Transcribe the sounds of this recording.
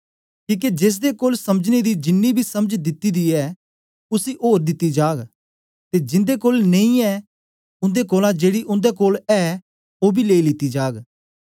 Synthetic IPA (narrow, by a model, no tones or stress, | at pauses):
kĩːk̬ed͡ʒeːs̬d̪ekoːlsɐməd͡ʒned̪id͡ʒɪnːibʱisɐməd͡ʒd̪ɪt̪ːid̪iɛ | ʊsiʔoːɾd̪ɪt̪ːid͡ʒaːɡ | t̪ed͡ʒɪ̃nd̪ekoːlnẽĩɛ | ʊ̃nd̪ekoːlãd͡ʒeːɽiʔʊ̃nd̪ekoːlɛ | oːbʱileːilɪt̪ːid͡ʒaːɡ